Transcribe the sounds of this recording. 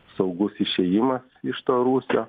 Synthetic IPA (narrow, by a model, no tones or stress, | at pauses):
sɒʊɡʊsɪʃʲɛjɪmɐsɪʃt̪oːɾuːsʲoː